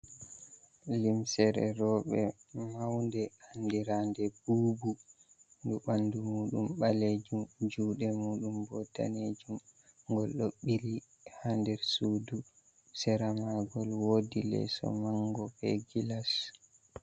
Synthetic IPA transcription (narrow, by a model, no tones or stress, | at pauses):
limsɛɾɛ̰ɾɔːɓɛmawndɛandiɾandɛbuːbu | nduɓandumuːɗumɓaled͡ʒumd͡ʒuːɗɛmuːɗumbɔda̰ned͡ʒumɡɔlɗoɓːili | handɛɾsuːdu | sɛɾamaɡɔlwoːdilɛ̰sɔ̰maŋɡɔbɛ̰ɡilas